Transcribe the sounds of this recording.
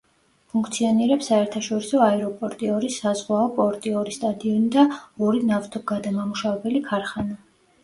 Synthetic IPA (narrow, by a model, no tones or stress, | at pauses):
pʰuŋkʰt̪sʰiɔniɾɛpsːaɛɾt̪ʰaʃɔɾisɔaɛɾɔpʼɔɾt̪ʼiɔɾisːazʁwaɔpʼɔɾt̪ʼiɔɾist̪ʼad̪iɔnid̪aɔɾinaft̪ʰɔɡad̪amamuʃavɛbɛlikʰaɾχana